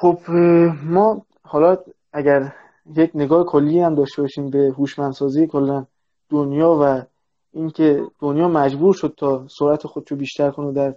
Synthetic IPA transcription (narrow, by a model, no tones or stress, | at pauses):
xob̥mɒː | hɒːlɒ | æɟæɾ | jecne̞ɡɒːhekʰolːijhæmd̪ɒːʃt̪e̞bɒːʃiːmbe̞ɦuʃmænsɒːzijekʰolːæn | d̪̥onjɒːvæ | iŋkʰe̞d̪̥onjɒːmæd͡ʒbuːɾʃod̪̥̚t̪ʰɒːsoɾæt̪ʰexod̪eʃobiːʃt̪æɾkʰonod̪æɾ